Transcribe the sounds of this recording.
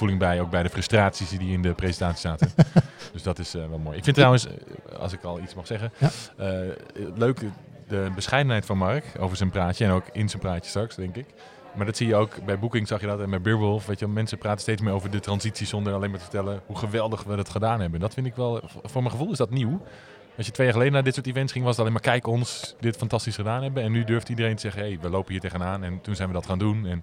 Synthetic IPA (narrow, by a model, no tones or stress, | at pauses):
fulˠɪŋbɛjoːwk̚bɛjdəfrɵstraːtsisdiɪndəpresəntaːtsi̥saːtənd̥øsdɔtɪsʋɛlˠmoːjɪkfɪntːrawə̃nsɑ̰lˠs̬ɪkɔlˠitsmɑχsɛɣənəløːk | dəbəsχɛjdənɦɛjtfɔnmarko̰wvəɹsənpraːtəɛnowkɪnsənpraːtjə̥strɑksdɛŋkɪk | maːɹdɔtsijəowkbɛjbukɪŋsɑxjədɔtɛnbɛjbɪɹʋølˠfʋejtjəʋɛlˠmɛnsəpraːtəstejtt͡smɪːowvəɹdətrɑnsisisondəraleːmaɹtə̥fə̥tɛlˠəhuχəʋɛlˠdəxʋədɔtχədaːnɦɛbəndɔtfɪndɪkʋɛlˠfʊːɹmɛχəvulˠɪsdɔtniw | ɑlsjətʋejaːχəleːdənaːdɪtsoːɹtivɛntsχɪŋʋɔsətleːmaɹkɛjkɔnsdɪtfantɑstisχədaːnɦɛbənɛnːydøɹftidərejntəzɛɣənhejʋəloːwpəniːɹtejɣənaːnɛntunsɛjnʋədɔtxaːndunɛn